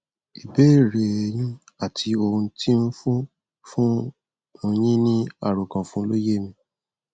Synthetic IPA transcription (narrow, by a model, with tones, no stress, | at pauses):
i˨be˦˨ɾe˨jĩ˦ | a˦˨ti˧o˧ũ˧tʰi˦n̩˦fũ˦ | fũ˦ | mõ˧ɲ̃ĩ˦nĩ˦a˦˨ɾo˨kã˨fũ˦lo˦je˦˨mĩ˧